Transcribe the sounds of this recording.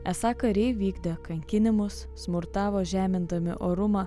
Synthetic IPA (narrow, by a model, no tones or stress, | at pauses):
ɛsɑːkɐɾʲɛɪʋʲiːɡd̪ʲɛkɐŋʲkʲɪnʲɪmʊsːmʊɾt̪ɑːʋoːʒʲæːmʲɪnd̪ɐmʲɪ̰ʔoːɾʊmɐ